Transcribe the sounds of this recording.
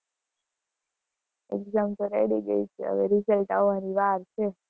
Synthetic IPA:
ḛkzamt̪oɾḛɽiɡə̰it͡ʃʰeə̰ʋeɾisəlʈaoʋaniʋaɾt͡ʃʰe

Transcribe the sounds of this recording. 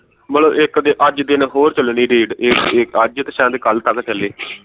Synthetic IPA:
məloːʔɪkd̪eːʔəd͡ʒd̪ɪnɦoːɾt͡ʃəlniːɾiːɖɪkɪkəd͡ʒt̪əʃãːd̪eːkəlt̪əkt͡ʃəleː

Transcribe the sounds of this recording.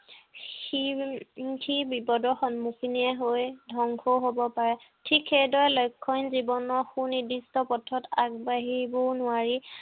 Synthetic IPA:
xi | tʰibipɔdɔxɔnmukʰiniɛɦojdʱɔŋkʰɔɦobɔpaɹɛ | tʰikxedɔjlojkʰːɔnzibɔnɔɹxunidistɔpɔtʰɔtaɡ̚baɦibɔnʊwaɹi

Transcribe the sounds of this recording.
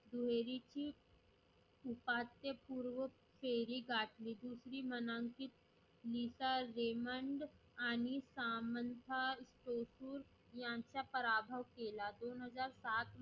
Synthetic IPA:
d̪uɦeːɾit͡ʃi | ʊpaːt̪jepuːɾʋə | pʰeːɾiɡaːʈlid̪uːsɾimɐnãŋkit̪ | liːsaɾeːməɳɖ | aːnisaːmənt̪ʰasʈoːsuːɾ | jãːt͡ʃapəɾaːbʱəʋkeːlad̪oːnɦəzaːɾsaːt̪

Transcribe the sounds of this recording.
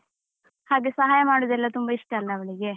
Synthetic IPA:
haːɡesɐɦaːjɐmaːɽod̪ɛlːɐt̪umbɐiʂʈɐːlːɐːʋɐɭiɡe̞

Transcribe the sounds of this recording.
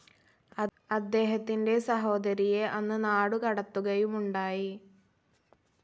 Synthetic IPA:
ɐ | ɐd̪ːe̞ːɦɐt̪ːinde̞sɐɦo̞ːd̪ɐɾijeʔɐnːɨnaːɽukɐɽɐt̪ːuɣɐjumuɳɖaːji

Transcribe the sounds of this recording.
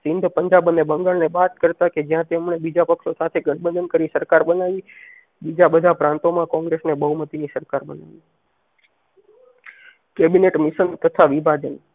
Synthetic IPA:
sɪnd̪ʱpəɲd͡ʒabənebəŋɡaɭnebat̪kəɾt̪aked͡ʒjãt̪emɳebid͡ʒapəkʃosat̪ʰeɡəɳbə̃nd̪ənkəɾisəɾkaɾbənaʋi | bid͡ʒabəd̪ʱapɾãnt̪omãkɔ̃ŋɡɾesnebəɦumət̪inisəɾkaɾbəna̰ʋi | kebineʈmɪʃənt̪ət̪ʰaʋibʱad͡ʒən

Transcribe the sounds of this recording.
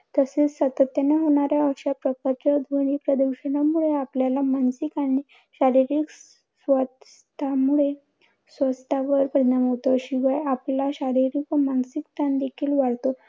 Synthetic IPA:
t̪əset͡ssət̪ət̪jənaɦoɽ̃aɾjaəɕapɾəkaɾt͡ɕad̪ʱʋəɽ̃ipɾəd̪uɾɕənamuɭeapljalamansikañi | ɕaɾiɾik | sʋətst̪ʰamuɭe | sʋəst̪ʰaʋəɾpəd̪namɦot̪oɕiʋajaplaɕaɾiɾikʋəmansikt̪and̪ekʰiːlʋaɽt̪o

